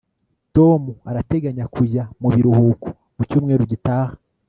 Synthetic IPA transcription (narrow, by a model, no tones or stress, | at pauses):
to̞muaɾate̞ɡaɲakʰujamuβiɾuhuːku̥ | mucuːmŋeːɾuɟitaːhḁ